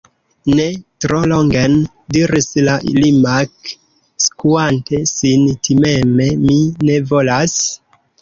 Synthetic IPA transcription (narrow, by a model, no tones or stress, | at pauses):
ne̞tɾo̞lo̞ŋɡen | diɾislaʔḭlimak | skuante̞sintʰimeme̞mine̞vo̞las